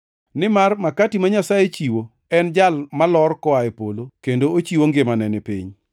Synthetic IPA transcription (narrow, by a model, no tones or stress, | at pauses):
nɪmarmakatimaɲasajet͡ʃiwo | ɛnd͡ʒalmalɔrkɔaepolokendoot͡ʃiwoŋɡɪmanɛnɪpḭɲ